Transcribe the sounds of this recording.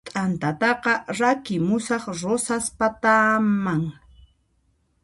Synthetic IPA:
t̪ʼant̪at̪ɑqɑɾakɪmʊsɑχɾosaspat̪amaŋ

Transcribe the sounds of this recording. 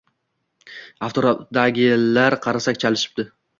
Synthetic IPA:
aft̪ʰoɾat̪d̪aɡʲɪlaɾqʰɑɾasakʲt͡ʃʰalɪʃɪ̥p̚d̪ɪ

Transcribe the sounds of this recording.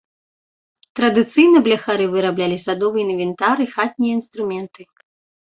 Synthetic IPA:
t̪ɾɐd̪ɨt̪sɨjnɐblʲɐxaɾɨvɨɾablʲalʲisad̪ɔvɨjɐinvʲɛnt̪aɾɨixat̪̚ʲnʲijɐinst̪ɾumʲɛnt̪ɨ

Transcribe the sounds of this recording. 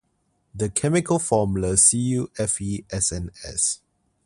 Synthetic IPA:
dəkʰɛmɪkʰəlfɔmuləsijuɛfiɛsɛ̃nɛ̰s

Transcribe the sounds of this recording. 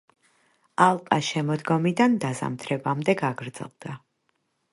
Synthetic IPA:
alˠqʼaʃɛmɔd̪ɡɔmid̪and̪aza̰mt̪ʰɾɛbamd̪ɛɡaɡɾd̪z̥ɛ̰lˠd̪̥a

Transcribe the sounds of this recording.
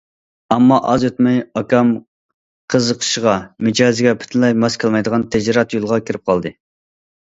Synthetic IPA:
ɑmːɑʔɑzøt̪mɛjɑkʲɑm | qʰəzəqʰə̥ʃəʁɑmɪd͡ʒɑːzɪɡʲɛpʰy̥t̪ʰɪnlɛjmɑskʲʰɑlˠmɑjd̪əʁɑnt̪ʰɛd͡ʒɾɑt̪jolˠʁɑkʲʰiɾɪp̚qʰɑlˠd̪ɨ

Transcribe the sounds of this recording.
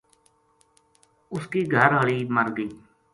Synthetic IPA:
ʊskiːɡʱəɾɦəɭiːməɾɡiː

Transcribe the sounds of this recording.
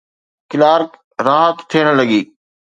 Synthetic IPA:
kɪlaːɾ | ɾaːɦət̪t̪ʰiəɽ̃ləɠiː

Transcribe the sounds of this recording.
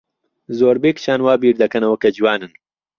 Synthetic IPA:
zoːɾbeːkt͡ʃaːnwaːbiːɾd̪ɐkɐnɐwɐkɐd͡ʒwaːnɨn

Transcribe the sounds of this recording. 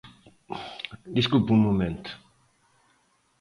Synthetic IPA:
d̪iskulpummumẽnt̪

